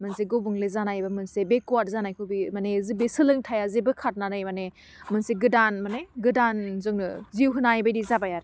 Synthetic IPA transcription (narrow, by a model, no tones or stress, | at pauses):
mɯnseɡobɯŋlezanajbamɯnsebekuwat̚zanajkʰɯbimanezibesɯlɯŋtʰajazebɯkʰat̚nanɯjmane | mɯnseɡɯdanmaneɡɯdanzɯŋnɯziwɦɯnajbajdizabajaɾ